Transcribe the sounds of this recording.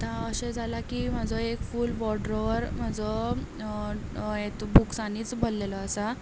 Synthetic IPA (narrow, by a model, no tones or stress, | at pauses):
t̪ãəɕed͡zʱalakim̤ad͡zʱɔekfuːlbɔɖɾɔʋəɾm̤ad͡zʱɔ | et̪buksaniːt͡sbollelɔəsa